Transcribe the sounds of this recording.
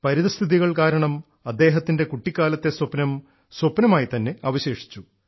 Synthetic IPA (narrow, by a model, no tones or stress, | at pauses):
pɐɾiðɐst̪ʰiðiɣɐɭkaːɾɐɳɐm | ɐd̪ːe̞ːɦɐt̪ːinde̞kuʈːikʲːaːlɐt̪ːe̞swɐpnɐm | swopnɐmaːjit̪ɐnːe̞ɐːʋɐɕe̞ːʂi̥t͡ɕːu